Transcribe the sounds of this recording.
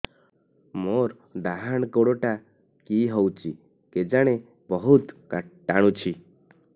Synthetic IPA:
moɾ | ɖ̪aɦaɽ̃koɽoʈa | kiɦowt͡ʃʰi | ked͡ʒaɽ̃e | bɔɦut̪kaʈːaɽ̃ut͡ʃʰi

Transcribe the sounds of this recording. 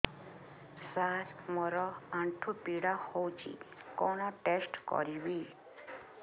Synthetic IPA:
saɾmɔɾɔaɳʈʰupiɽahɔwt͡ɕḭkɔɽ̃ɔʈesʈkɔ̰ɾiwi

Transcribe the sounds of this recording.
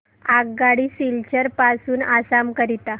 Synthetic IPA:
aɡɡaɽiːsilt͡ɕəɾpasuːnasamkəɾit̪a

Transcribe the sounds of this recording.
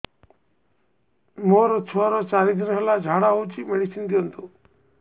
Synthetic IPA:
moɾɔt͡ʃʰɔɾɔt͡ʃaɾid̪ʱinɔɦɛlad͡ʒʱaɽaɦowt͡ʃʰimeɽisind̪iɔnt̪u

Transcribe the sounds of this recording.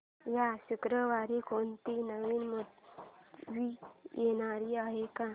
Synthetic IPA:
jaɕukɾəʋaɾikont̪inəʋiːnmət̪ | ʋijeñaɾiaɦekã

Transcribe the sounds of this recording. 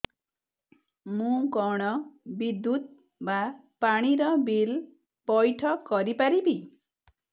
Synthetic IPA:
mũkɔɽ̃ɔbid̪ːut̪̚ | ba | paɽ̃iɾɔbil | pɔjʈʰʌkːɔɾipaɾibi

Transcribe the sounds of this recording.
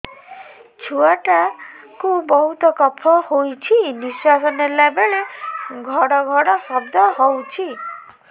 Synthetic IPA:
t͡ʃʰuaʈa | kubɔɦut̪ɔkɔpʰɔhojt͡ʃʰiniswasɔnelabeɭeɡʱɔɽɔɡʱɔɽɔsɔbd̪ʱɔɦowt͡ʃʰi

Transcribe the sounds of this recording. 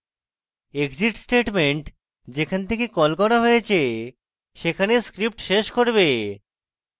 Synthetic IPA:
ekd͡ʑiʈsʈeʈmeɳʈ | d͡ʑekʰant̪ʰekekɔlkɔɾaɦoet͡ɕʰe | ʃekʰaneskɾip̚ʈʃeʃkoɾbe

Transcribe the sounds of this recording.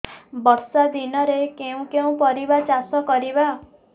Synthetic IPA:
bɔɾsad̪inɔɾekeũkeũpɔɾibat͡ʃasɔkɔɾiba

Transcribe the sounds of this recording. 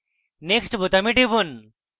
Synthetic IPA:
neksʈbut̪amiʈibun

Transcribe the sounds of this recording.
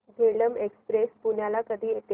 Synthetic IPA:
ɡʱeɭəmekspɾespuɳ̤jalakəd̪ʱiːjet̪

